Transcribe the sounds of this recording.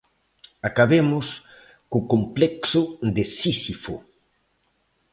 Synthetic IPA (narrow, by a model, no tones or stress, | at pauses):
akaβemʊs | kʊkomplɛksʊd̪esisifo̰